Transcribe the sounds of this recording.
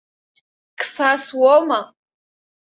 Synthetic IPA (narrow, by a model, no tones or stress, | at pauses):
kʰsaswoma